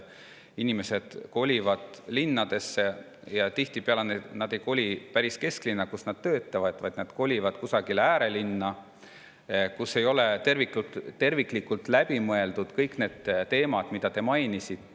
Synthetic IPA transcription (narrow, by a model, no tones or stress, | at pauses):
inime̞se̞d̪̥ko̞lʲivɑd̪̥linːɑd̪̥e̞sːe̞ | jɑt̪iht̪ipeɑlenenɑd̪̥e̞jko̞lʲipæɾiske̞sklinːɑkusnɑd̪̥̚t̪ø̞ːt̪ːˑɑvɑd̪̥vɑjd̪̥nɑd̪̥ko̞lʲivɑd̪̥kusɑɡilæːɾe̞linːɑ | kusːe̞jo̞let̪e̞rvikut̪t̪ːe̞rviklikːult̪ˑlæb̥imɤe̞ld̪̥ud̪̥kɤjkne̞ːd̪̥t̪e̞ːmɑd̪̥mid̪̥ɑt̪e̞mɑjnisit̪ːˑ